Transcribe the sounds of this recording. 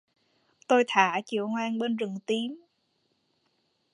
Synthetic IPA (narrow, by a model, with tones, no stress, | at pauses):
t̪o˧jt̪ʰaː˧˩t͡ɕḭ˧˩əwŋwaː˧ŋɓe˧nzɨ˨˩ŋt̪i˧m